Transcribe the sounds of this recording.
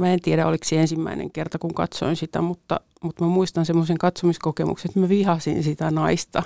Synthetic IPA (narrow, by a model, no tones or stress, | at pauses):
mæent̪ieɾæoliksiensimːæ̰inḛŋkert̪ɑkuŋkɑ̰t̪so̰insit̪æ̰mut̪ːɑ̰ | mut̪mæmuist̪ɑnsemːoseŋkɑt̪somiskokemṵkseet̪mæʋihɑsḭnsit̪ænɑist̪ɑ